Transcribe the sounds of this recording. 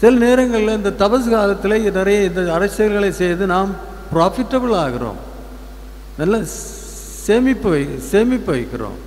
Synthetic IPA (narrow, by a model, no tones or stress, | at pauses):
sɪlɐneːɾɐŋɡɐɭɪlɐɪnd̪ɐt̪ɐbɐs̬ɯkaːlɐt̪ːɪlɐɪnɪɾɐjɐɪnd̪ɐːɾɐsːɐɣɐlɣɐɭɐɪsɛjðɯnaːm | pɾaːfɪʈːɐbɯɭaːɣɪɾo̰ːm | nɐlːɐ | seːmɪpːɯʋɐɪseːmɪpːɯʋɐɪkːɪro̰ːm